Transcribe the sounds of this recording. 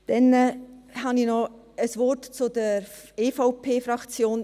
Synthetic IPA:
d̥ɛnəhɑninɔ | əsʋɔrtt͡sʊd̥əeːfaʊpʰeːfrɑkt͡sjoːn

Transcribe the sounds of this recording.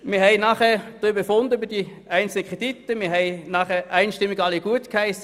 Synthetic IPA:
mɪːɐhɦɛɪnɑχɛːɐd̥ʁʏbefʊndəybəd̥i | æɪnt͡sl̩nəkʁ̥ed̥itːəmɪːɐɦɛɪnɑːχɛʔæɪnʃtɪmːiɡɑliɡ̥uətkhaɪsə

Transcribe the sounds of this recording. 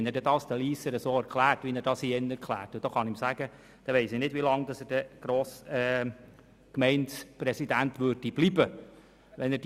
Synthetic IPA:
nɛɾdɛdɑːsd̥̪əliːsəɾəsoːɛɾkʰlæːɾtʋinɛɾdɑshiːɛnɛɾkʰlæ̰ːɾtud̥oχɑnɪmsæɡə | d̥ɛʋɛɪsɪnɪdvʋilɑŋd̥̪ɑsəd̥əɡ̥ɾoːsɛ | kmɛɪnsprɛsidænt̪ʋøɾdib̥libə | ʋɛnɛd

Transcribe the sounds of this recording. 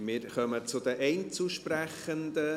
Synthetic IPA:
mɪːɾχœmət͡sʊd̪əʔɛɪnt͡suʃpræχənd̪ə

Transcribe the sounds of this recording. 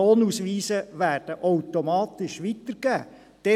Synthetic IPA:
oːnusʋiːsəʋæːrd̥əʔɔwt̪omɑːt̪ɪʃʋit̪əɾɡ̥æː | d̥ɛ

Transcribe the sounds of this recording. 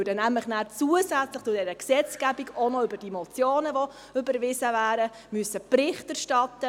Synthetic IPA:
dənæmləχnæːɾt͡suəzæt͡sləχt͡sʊdɛɾəksɛt͡sɡ̥æbiɡonɔʏbəɾd̥imɔt͡sjoːnəʋɔ | ʏbəɾʋɪsəvæːɾə | myəsəpɾɪχtæɾʃtɑtːə

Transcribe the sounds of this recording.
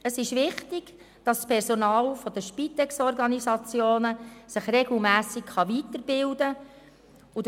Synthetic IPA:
əsɪʃʋɪχtɪɡ̥ | d̥ɑsːpʰɛɾsonɑːlfɔd̪əʃpit̪ɛksɔrɡɑnisɑt͡sjoːnəsɪχrɛɡ̥l̩mæːsɪkχɑʋit̪əɾbɪldə | ud

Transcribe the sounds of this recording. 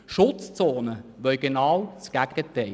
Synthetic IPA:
ʃʊtt͡st͡soːnəʋœʏɡ̥enɑːwt͡sɡ̥æɡɡət̪ɛɪ

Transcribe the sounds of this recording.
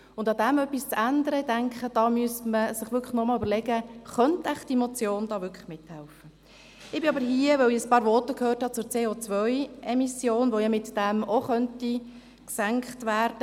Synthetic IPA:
ʊndɑd̪æmœpːist͡sændəɾəɪdæŋkχəd̥ɑːmyəstməsɪχʋʏkʰχəχnɔmɑːlybəɾlɛɡəχœntæχd̥imot͡sjoːnd̥̪ɑːʋʏkʰə̥χmɪthælfə | ɪbɪɑbəɾɦiəʋœwiəspɑːɾʋɔtəkʰhøːrthɑt͡sʊːɾt͡seːoːt͡sʋœjɛmisjoːnʋojɑmɪtd̥æmoχœnti | ksæŋkχtvæːɾd̥ə

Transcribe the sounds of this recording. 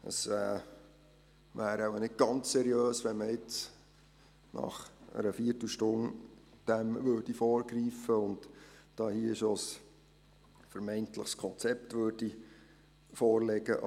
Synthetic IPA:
ə̰sɛː | ʋæːɾɑwənɪd̚ɡ̥ɑnt͡ssɛɾjøːsʋɛnməɪt͡s | nɑ̰χə̰ɾəfiətl̩ʃtʊn | d̥æmvøːɾd̥ifɔːɾɡɾiːfəʊndd̥ɑːhiːɪʃos | fəɾmɛɪntləχskʰɔnt͡sɛptʋøːrd̥i | foːɾlɛɡəʔ

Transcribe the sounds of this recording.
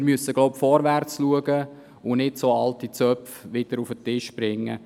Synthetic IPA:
ɾmyəsəɡ̥lɔʊpfɔɾʋært͡sluəɡə | ʊnɪdsoːɑltit͡sœpfʋɪd̥əɾufətɪʃb̥ɾɪŋːə̰

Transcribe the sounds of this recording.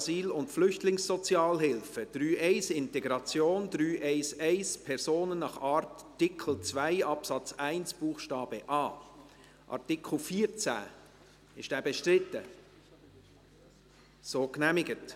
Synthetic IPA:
siːlʊntflʏçtlɪŋsɔt͡sjɑːlɦɪlfəd̥ɾyːɛɪsɪntɛɡɾɑt͡sjoːndɾyːʔɛɪsɛɪspʰɛɾsoːnənnɑχɑːɾtːɪkʰl̩t͡svæɪɑpsɑt͡sæɪnsb̥uːχʃtɑːb̥əʔɑː | ʔɑ̰ɾtɪkʰl̩fiːɾt͡sæ̰ː | ɪʃd̥æːbɛʃtɾɪtːə | soːknæmɪɡət

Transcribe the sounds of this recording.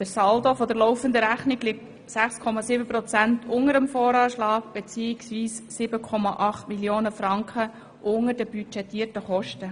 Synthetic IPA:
d̥əɾsɑldofɔd̪əɾlɔʊfənd̪əɾæχniɡlɪk̚t | sæχskʰɔmɑsibəpɾɔt͡sæntʰʊŋəɾəmfɔːɾɑːʃlɑːɡ̚b̥et͡siːɪksviːssɪbəkʰɔmɑʔɑχtmiljoːnəfɾɑŋkχə | ʔʊŋəɾdəbyt͡ʃɛtːiːtəχɔʃtə

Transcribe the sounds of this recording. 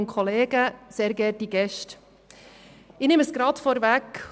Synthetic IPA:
nkʰχɔleːɡ̥əseːɾɡɛtiɡ̥ɛʃt | ɪnɪməsɡ̥ɾɑt̪fɔɾvæk

